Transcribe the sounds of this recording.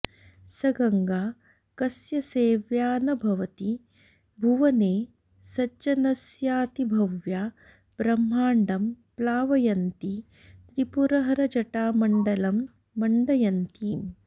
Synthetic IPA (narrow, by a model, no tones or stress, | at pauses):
sɐɡɐŋɡaː | kɐsjɐseːʋjaːnɐbʱɐʋɐt̪i | bʱuʋɐneː | sɐt͡ʃɐnɐsjaːt̪ibʱɐʋjaː | b̥ɾɐmːaːɳɖɐm | plaːʋɐjɐnt̪i | t̪ɾipuɾɐɦɐɾɐd͡ʒɐʈaːmɐɳɖɐlɐmː | ɐɳɖɐjɐnt̪iː